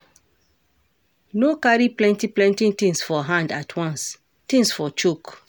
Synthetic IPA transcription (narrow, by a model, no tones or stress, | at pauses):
nokaɹiplɛ̃ntiplɛ̃ntĩŋtĩŋsfɔɦãndatʰwãns | tĩŋsfɔt͡ʃuk